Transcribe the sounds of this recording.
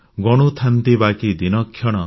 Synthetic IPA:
ɡɔɽ̃ut̪ʰant̪ibakid̪inɔkʰːjɔɽ̃ɔ

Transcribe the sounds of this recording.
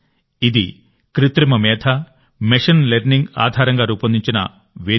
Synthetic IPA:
id̪i | kɾit̪ɾimɐmɛːt̪ʰɐ | meʂɐnleɾniŋɡa̰ːd̪ʱaːɾɐŋɡaːɾuːpɐnd̪iɲt͡ʃinɐ̰ | ʋeː

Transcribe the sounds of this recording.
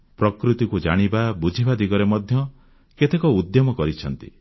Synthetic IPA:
pɾɔkɾut̪ikud͡ʒaɽ̃ibabud͡ʒʱibad̪iɡɔɾemɔd̪ʱjɔ | ket̪ekɔud̪jɔmɔkɔɾit͡ʃʰɔnt̪ḭ

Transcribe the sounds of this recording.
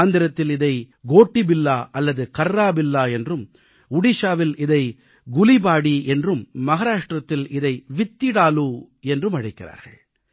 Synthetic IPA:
nd̪ɪɾɐt̪ːɪlɪðɐɪ | ɡoːʈːɪbɪlːaːʔɐlːɐðɯkɐɾːaːbɪlːaːɛndrɯm | ʊɽɪʂaːʋɪlɪðɐɪ | ɡʊlibaːɽiʔɛndrɯmːɐɣɐːɾaːʂʈrɐt̪ːɪlɪðɐɪʋɪt̪ːɪɽaːluː | ɛndrɯmɐɻɐɪkːɪra̰ːɾɣɐ̰ɭ

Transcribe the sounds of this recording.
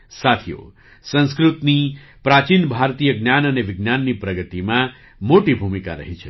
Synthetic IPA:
sat̪ʰijo̰ | sə̃nskɾut̪ni | pɾat͡ʃinbʱaɾt̪ijəɡnjanəneʋiɡnjanːipɾəɡət̪imã | moʈibʱumika̰ɾə̰ɦit͡ʃʰḛ

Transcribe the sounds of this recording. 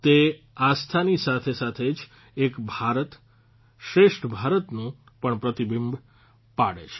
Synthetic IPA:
t̪e | ast̪ʰanisat̪ʰesat̪ʰed͡ʒ | ekbʱaɾət̪ | ʃɾeʃʈbʱaɾət̪nũ | pəɳpɾət̪ibimb | paɽḛt͡ʃʰe̥

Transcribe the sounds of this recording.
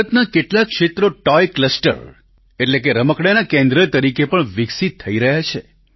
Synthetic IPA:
ət̪nakeʈlakːʃet̪ɾoʈɔjkləsʈə̰ɾ | eʈlekeɾəməkɽanakẽnd̪ɾət̪əɾikepəɳʋɪksit̪ʰːəiɾəɦjat͡ʃʰe

